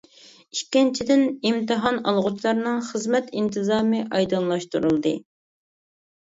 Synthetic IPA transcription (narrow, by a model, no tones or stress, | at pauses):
ikʲːint͡ʃʰid̪ɪnimt̪ɨɦɑnɑ̰lˠʁʊt͡ʃʰlˠɑɾnɨŋχəzmɛt̪int̪ʰɨzɑːmɨʔɑjd̪ɨnlˠɑʃt̪uɾulˠd̪ɨ